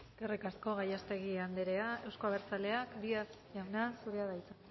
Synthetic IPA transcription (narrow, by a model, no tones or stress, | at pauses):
skerikasko̞ɣajast̪e̞ɣiand̪eɾe̞ae̞wskoaβe̞ɾt͡sale̞akd̪ias | ʝawnasuɾeaðajt͡se